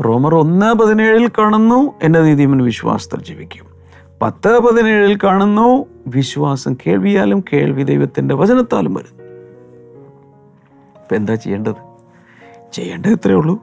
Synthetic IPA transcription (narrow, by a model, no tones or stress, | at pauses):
ro̞ːmɐro̞nːaːpɐðineːɻilkaːɳunːuenːeniːðijmɐnɨʋiɕwa̰ːsɐ̥t̪ːɐ̰ld͡ʑiːʋikʲːu̥m | pɐ̰t̪ːaːpɐðine̞ːɻilkaːɳunːoː | ʋiɕʋaːsɐmkʰe̞ːɭʋijaːlumke̞̰ːɭʋid̪ejʋɐt̪ːinde̞ʋɐt͡ɕɐnɐt̪ːa̰ːlumʋɐ̰ɾunːu | pend̪aːt͡ɕejːeːɳɖɐðɨ | t͡ɕe̞̰jːeːɳɖɐðet̪rɐjuɭːu